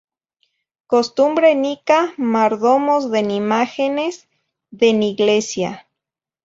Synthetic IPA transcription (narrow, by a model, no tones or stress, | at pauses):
kost̪umbɾenikamaɾðomozðenimaxenez | ðeniɣlesja̰